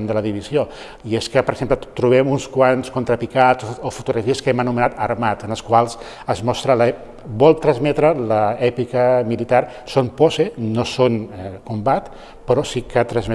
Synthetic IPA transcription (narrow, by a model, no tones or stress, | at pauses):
nd̪ələðiβ̞izio | ieskəpəɾəɡz̥emplət̪ɾuβ̞ɛmunskwanskont̪ɾəpikat͡soofut̪uɣɾəfiəskɛmənumənat̪əɾmat̪ənəlˠskwalˠs | əzmɔst̪ɾələ | bɔlˠt̪ɾənzmɛt̪ɾələɛpikəmilit̪ar | sonposenosonkumbat̪ | pəɾɔsikət̪ɾənzmɛ